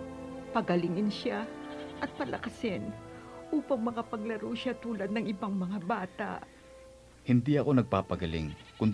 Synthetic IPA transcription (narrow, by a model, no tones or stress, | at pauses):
pɐɡɐlɪŋɪnʃaʔɐt̪̚pɐlʔɐ̰kɐsɪnʔuːpɐŋmɐkɐpɐɡlɐɾowʃat̪uːlɐd̪̚nɐŋʔɪbaŋmɐŋabaːt̪a̰ʔ | hɪnd̪iʔɐko̞nɐɡ̚paːpɐɡɐlɪ̰ŋkʊn